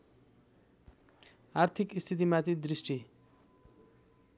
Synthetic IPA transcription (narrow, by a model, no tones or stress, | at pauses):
aɾt̪ʰikist̪ʰit̪̬imat̪id̪ɾisʈi